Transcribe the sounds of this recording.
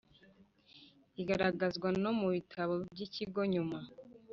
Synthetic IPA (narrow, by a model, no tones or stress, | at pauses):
iɡaɾaɡazɡwano̞muβitʰaβo̞b̚ɟiciɡo̞ɲuma